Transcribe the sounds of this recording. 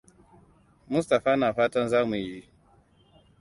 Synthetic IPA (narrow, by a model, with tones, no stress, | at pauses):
mʊ˦sta˨ɸaː˦naː˨ɸaː˦tɐ˦nzaː˦mu˨ji˦ʔ